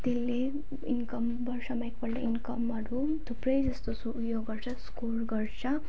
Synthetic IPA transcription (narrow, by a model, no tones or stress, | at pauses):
t̪elːe | inkʌmbʌɾsʰʌmaekpʌɾleinkʌmɦʌɾu | t̪ʰupɾʌjd͡zʌst̪osujoɡɡʌɾt͡sʰʌskoɾɡʌɾt͡sʰʌ